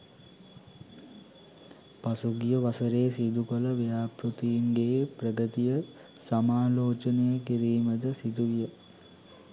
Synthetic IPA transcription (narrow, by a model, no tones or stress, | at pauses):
pasuɡijəʋasəɾejːsid̪ukələʋejaːpɾut̪ijiŋɡeːprəɡət̪ijə | samaːloːt͡ʃənejəkiɾiːməd̪əsid̪uʋijə